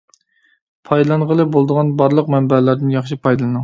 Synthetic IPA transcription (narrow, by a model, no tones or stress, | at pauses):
pʰɑjd̪lˠɑnʁəlˠɨbolˠd̪əʁɑnbɑɾlˠəq̚mɛmbɛlɾd̪ɪnjɑχʃipʰɑjd̪ɨlˠɨnɨŋ